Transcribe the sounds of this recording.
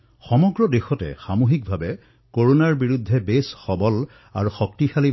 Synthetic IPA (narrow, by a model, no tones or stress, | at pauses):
xɔmɔɡɹɔdexɔtɛ̰xamuxik̚bʱabɛ | koɹonaɹbiɹudʱːɛbesxɔbɔl | a̰ɹuxɔk̚tixali